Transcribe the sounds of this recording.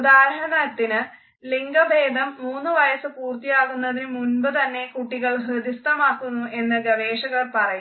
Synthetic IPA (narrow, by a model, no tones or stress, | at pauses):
ud̪aːɾɐɦɐnɐt̪ːinɨ | liŋɡɐbʱeːd̪ʱɐmːuːnːɨʋɐjɐsɨpuːrt̪ijaːɣunːɐðinɨmunbɐt̪ɐnːe̞kuʈːiɣɐɭɦrɨd̪ist̪ɐmaːkːunːuʔe̞nːɨɡɐʋe̞ːʂɐɣɐrpɐrɐju